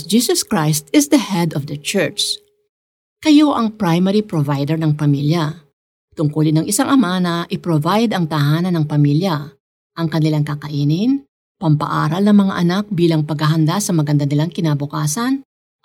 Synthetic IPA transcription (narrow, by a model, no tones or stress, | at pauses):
d͡ʒiːsɐskɹajst̪ɪsd̪ɐhɛd̪ɔvd̪ɐt͡ʃɛɹt͡ʃ | kɐjo̞ʔɐŋpɹajmɛɾipɾovajd̪ɛɹnɐŋpɐmiljɐ | t̪ʊŋkʊlɪnɐŋʔɪsaŋʔɐmanɐʔɪpɾovajd̪ɐŋt̪ɐɦaːnɐnɐŋpɐmiljɐ | ʔɐŋkɐnɪlaŋkɐkɐʔiːnɪn | pɐmpɐ̰ʔaːɾɐlnɐŋmɐŋa̰ʔɐnak̚biːlɐŋpɐɡhɐɦɐnd̪asɐmɐɡɐnd̪ɐnɪlaŋkɪnaːbʊkaːsɐn